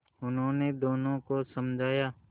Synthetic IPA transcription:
ʊnɦõːned̪oːnõkosɐmd͡ʒʱaːjaː

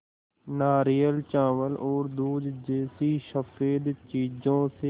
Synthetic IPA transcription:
naːɾijəlt͡ʃãːʋəlʔoːɾd̪uːd͡ʒ̪d͡ʒeːsiʃəfeːd̪t͡ʃiːd͡ʒõːse

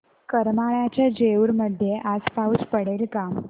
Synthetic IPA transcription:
kəɾmaɭjat͡ɕjad͡ʑeuɾməd̪ʱjeʔad͡zpaut͡spəɽelkam

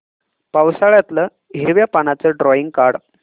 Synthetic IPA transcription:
pawsaɭjat̪lə | ɦiɾʋjapanat͡səɖɾɔiŋɡ̚kaɽ

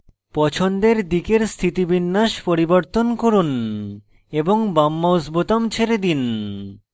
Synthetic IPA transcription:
pɔt͡ɕʰond̪eɾd̪ikeɾst̪ʰit̪ibinːaʃpoɾiboɾt̪onkoɾun | eboŋbamːaosbot̪omt͡ɕʰeɾed̪in

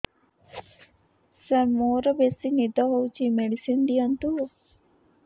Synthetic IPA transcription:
sɐɾmoːɾɐbesinid̪ɐɦowt͡ʃimeɖisind̪iɐnt̪u

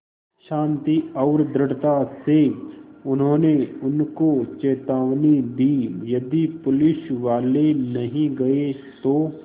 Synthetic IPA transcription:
ʃãːnt̪iɐʊɾd̪ɾəɽt̪aseʊnɦõːneʊnkot͡ʃɛːt̪aːʋnid̪iːjɐd̪ipʊlɪʃʋaːlenɐɦĩɡɐet̪oː

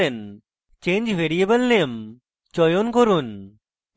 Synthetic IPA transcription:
en | t͡ʃẽnd͡ʒʋeɾiəbəlnem | t͡ʃɔjonkɔɾun

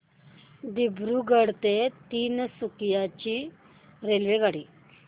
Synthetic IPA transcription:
d̪ibʱɾuːɡəɽt̪et̪iːnsukjat͡ɕiː | ɾelʋeɡaɽiː

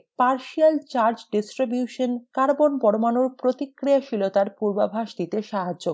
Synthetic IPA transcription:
paɾʃialt͡ɕaɾd͡ʑɖisʈɾibjuʃonkaɾbonpɔɾomanuɾpɾot̪ikːɾiaʃilot̪aɾpuɾbabʱaʃd̪it̪eʃaɦad͡ʑːo

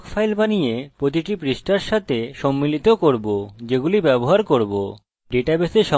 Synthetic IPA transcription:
kfʰajlbanijepɾot̪̬iʈipɾisʈaɾʃat̪ʰeʃɔmːilit̪okoɾbod͡ʑeɡulibɛboɦaɾkoɾbo | ɖeʈabeseʃɔ

